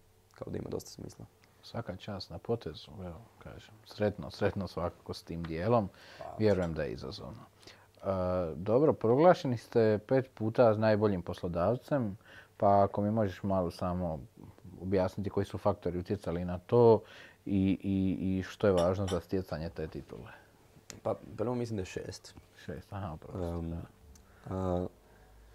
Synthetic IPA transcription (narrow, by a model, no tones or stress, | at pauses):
kaod̪aḭma̰d̪ost̪ḁsmḭːslˠa | sʋakat͡ʃaːst̪napo̞t̪ʰezueloka̰ːʒemsɾe̞t̪no̰sɾe̞t̪nosʋakakost̪iːmd̪je̞ːlo̞mʋje̞ɾujemd̪aje̞̰ḭza̰zo̰ʋno | d̪o̞bɾo̞pɾo̞ɡlˠaːʃe̞nist̪e̞pe̞ːt̪puːt̪asnaːjbo̞ʎimpo̞slo̞d̪aːʋt̪se̞mpaːko̞miːmo̞ʒeʃmalosaːmo̞objaːsnit̪iko̞jisufak̚t̪o̞ɾiut̪ʲje̞tsalinat̪o̞ːiʔiiʃt̪o̞je̞ʋaːʒnozast̪je̞t̪saɲe̞t̪e̞ːt̪it̪ṵle | papɾʋomislimd̪ajeʃḛːst̪ʃeːst̪aɦaupɾao